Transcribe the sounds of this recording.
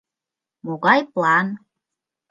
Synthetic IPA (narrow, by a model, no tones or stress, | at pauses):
moɣɑjplˠɑn